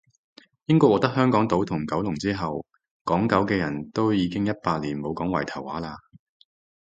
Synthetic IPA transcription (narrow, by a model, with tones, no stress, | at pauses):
jɪ˥ŋkɔː˧wɔː˨k̚t̪ɐ˥k̚hœː˥ŋkɔː˨˥ŋt̪o˨˥wt̪ʰʊ˨˩ŋkɐ˨˥wlʊ˨˩ŋt͡siː˥ɦɐ˨w | kɔː˨˥ŋkɐ˨˥wkɛː˧jɐ˨˩nt̪o˥wjiː˨˧kɪ˥ŋjɐ˥t̚paː˧t̚liː˨˩nmo˨˧wkɔː˨˥ŋwɐ̰˨˩jt̪ʰɐ˨˩wːaː˨˥laː˧